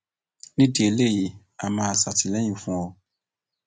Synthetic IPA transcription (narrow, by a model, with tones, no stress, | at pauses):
nĩ˦di˦e˧le˦˨ji˨˦ | a˧mãː˦˧˨sa˨ti˨lɛ˦j̃ĩ˦˨fũ˦ɔ˧